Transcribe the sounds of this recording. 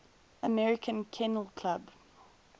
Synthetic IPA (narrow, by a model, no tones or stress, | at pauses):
əmɛɹɪkʰə̃nkʰɛnəlˠkʰl̥ab